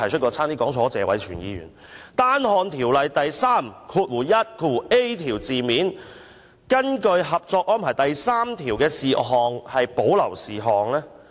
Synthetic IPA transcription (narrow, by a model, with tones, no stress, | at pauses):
ɐ˨˩jʰt͡ʃʰt̚kɔː˧t͡sʰaː˥ŋt̪iː˥kɔː˨˥ŋt͡sʰɔː˨˥t͡sɛː˨˧wɐ˨˥jt͡ʃʰyː˨˩njḭː˧ɥy̰ː˨˩nt̪aː˥nhɔː˧nt̪ʰiː˨˩wlɐ˨jt̪ɐ˨jsaː˥mkʰuː˧t̚wuː˨˩jɐ˥t̚kʰuː˧twu˨˩ʔe˥jt̪ʰiː˨˩wt͡siː˨miː˨˥n | kɐ˥nkɵ˧ɥɦɐ˨p̚t͡sɔː˧k̚ʔɔː˥npʰaː˨˩jt̪ɐ˨jsaː˥mt̪ʰiː˨˩wkɛː˧siː˨ɦɔː˨ŋhɐ˨jpo˨˥wlɐ̰˨˩wsiː˨˩ɦɔː˨ŋlɛː˥